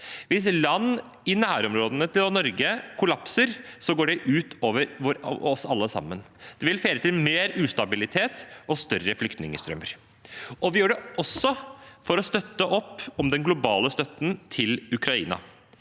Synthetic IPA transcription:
ʋɪs̬lɑnː | ɪnæːɾɔmɾoːd̪ənət̪ʰɪlɔnɔɾɡəkʰʊlɑpsəɾsɔɡoːɖɛʔʉːt̪ʰoːʋəɾʋɔɾɔsɑlːəsɑ̰mːənd̪̥ɛʋɪlfeːɾət̪ɪlmeːɾʉːst̪ɑbɪlɪt̪ʰeːt̪ɔst̪œɾəflʏkt̪nɪŋəst̪ɾœməɾ | ʔɔʋɪjøːɖɛʔɔsːɔfɔɾɔst̪œt̪ːəʔɔpːɔmd̪ɛnɡlʊbɑːləst̪œt̪ːənt̪ʰɪlʉkɾɑḭːnɑ̰

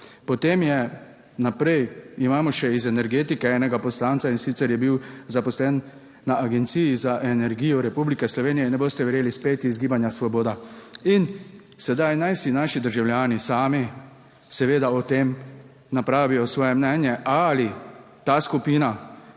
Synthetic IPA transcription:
pɔt̪eːmjɛ | napɾɛjimaːmɔʃɛizɛnɛɾɡeːt̪ikɛɛːnɛɡapɔslaːnt̪sainsiːt̪sɛɾjɛbiwzapɔslɛnː | aʔaɡɛnt̪siːjizaʔɛnɛɾɡiːjɔɾɛpublikɛslɔʋeːnijɛnɛboːst̪ɛʋɛɾjeːlispeːt̪izɡiːbanjasʋɔboːd̪ain | sɛd̪ajnajsinaːʃid̪əɾʒawljaːnisaːmi | sɛʋeːd̪aɔt̪em | napɾaːʋijɔsʋɔːjɛmnɛːnjɛʔali | t̪askupiːna

